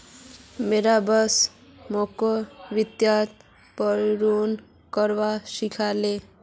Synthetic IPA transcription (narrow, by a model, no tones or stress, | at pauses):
meɾabəs | mokoʋit̪jat̪ | pəɾɾun | kəɾʋaʃikʰale